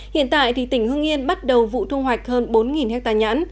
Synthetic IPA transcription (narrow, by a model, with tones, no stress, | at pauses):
hḭ˧˨ənt̪a̰ː˧˨jt̪ʰi˨˩t̪ï˧˩ŋ̟hɨ˧əŋʔi˧ənɓa˦˥t̚ɗə˨˩wvṵ˧˨t̪ʰu˧ŋ͡mɦwa˨˩jk̟̚həː˧nɓo˨˦nŋi˨˩nhɛ˦˥t̚t̪aː˧˩ɲa̰ː˧˥n